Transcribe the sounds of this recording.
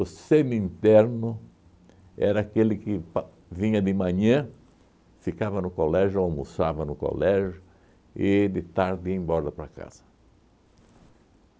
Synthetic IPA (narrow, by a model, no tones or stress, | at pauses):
ʊsẽnʊĩnt̪ɛɾnʊ | ɛɾɐːkelɪkɪp | vĩɲɐd̪ɪmɐ̃ɲɐ̃ | fikavɐnʊkolɛʒʊawmusavɐnʊko̰lɛʒʊ | ɪd̪ɪt̪aɾd̪ɪẽj̃bɔɾd̪ɐpɾɐka̰z̥ɐ̥